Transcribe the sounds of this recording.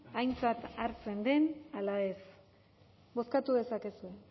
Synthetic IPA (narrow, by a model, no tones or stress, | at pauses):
ajnt͡sat̪aɾt͡se̞nd̪e̞nalae̞s | bo̞skat̪uðe̞sake̞sue̞